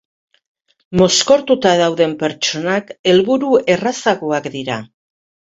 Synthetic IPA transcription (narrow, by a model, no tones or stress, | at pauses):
mo̞sko̞ɾt̪ut̪aðawðe̞mpe̞ɾt͡ʃo̞nake̞lβuɾue̞rasaɣoakd̪iɾa